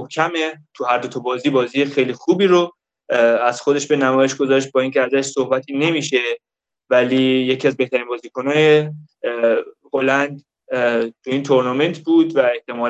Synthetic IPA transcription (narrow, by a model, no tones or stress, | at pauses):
mohkʰæmet̪ʰuhæɾd̪ot̪ʰɒbɒːziːbɒːziːjexejliːxuːbiːɾo | æz̥xod̪e̞ʃbe̞næmɒːje̞ʃɡo̞zɒːʃt̪̚bɒːiːŋcʰeæzæʃsohbæt̪ʰiːne̞miːʃe̞ | væliːjeciæzbe̞ht̪ʰæɾiːnbɒːziːkonɒːje | holænd̪ | t̪ʰuiːnt̪ʰo̞ɾnɒme̞nt̪ʰbuːd̪væe̞ht̪e̞mɒːl